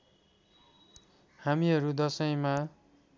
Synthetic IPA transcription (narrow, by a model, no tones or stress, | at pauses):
hamiɦʌɾud̪ʌsʌj̃ma